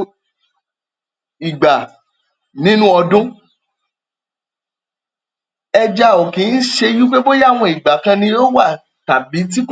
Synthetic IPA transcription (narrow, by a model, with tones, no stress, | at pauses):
i˨ɡ͡ba˨ | nĩ˦nũ˦ɔ˧dũ˦ | ɛ˧d͡ʒa˧o˨kĩ˨˦n̩˦ʃe˧ju˦k͡pe˦bo˦ja˦˨w̃ɔ̃˧i˨ɡ͡ba˨kã˧nĩ˧o˦wa˦˨ | ta˨bi˨˦t̬i˦k